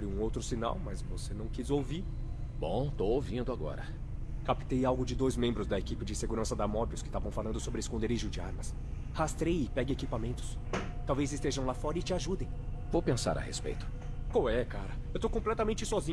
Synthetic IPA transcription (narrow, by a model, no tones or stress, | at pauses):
bɾɪũowt̪ɾʊsina̰wmɐzvosenɐ̃w̃kizowviɾ | bõ̰w̃t̪owowvĩnd̪ʊaɡɔ̰ɾɐ̰ | kapi̥t̪ejawɡʊd͡ʒɪd̪ojzmẽmbɾʊzd̪ɐekipɪd͡ʒɪseɡuɾɐ̃sɐd̪amɔbiʊskɪ̥st̪avɐ̃w̃falɐ̃nd̪ʊsobɾɪeskõnd̪eɾiʒʊd͡ʒɪaɾmɐs | hast̪ɾejɪpɛɡɪekipamẽnt̪ʊ̥s | t̪awvejzɪst̪eʒɐ̃w̃lafɔɾɐɪt͡ʃɪaʒud̪ẽj̃ | vowpẽsa̰ɾʔɐ̰hḛspḛjt̪ʊ̥ | kawɛkaɾɐewt̪owkõplɛt̪ɐmẽnt͡ʃɪsɔzĩ